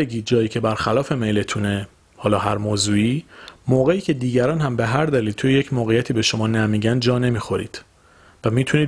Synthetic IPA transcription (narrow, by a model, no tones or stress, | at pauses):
eɡiːd̪̚d͡ʒɒːjiːcʰe̞bæɾxælɒːfe̞me̞jle̞t̪ʰune | hɒːlɒːɦæɾmoːzuːiːmoːɣe̞iːcʰe̞d̪iːɟæɾɒːnhæmbeɦæɾd̪æliːlt̪ʰujejecʰmoːɣejæt̪ʰiːbe̞ʃo̞mɒːnæmiːɟænd̪̚d͡ʒɒːne̞miːxo̞ɾḭːd̪̥ | væmiːt̪ʰuniː